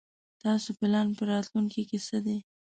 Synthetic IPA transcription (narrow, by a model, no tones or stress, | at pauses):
t̪ɑsopɪlɑnpəɾɑt̪luŋkikesəd̪e